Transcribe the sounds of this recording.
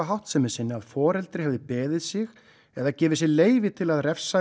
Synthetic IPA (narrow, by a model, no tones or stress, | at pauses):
aɦawht̪sɛmɛ̥sɪnːɪaðfɔːɾɛlt̪ɾɪhɛvðɪpɛːðɪðsɪɣ | ɛðacɛːvɪs̬ɪleːjvɪt̪ʰɪlaðrɛfsa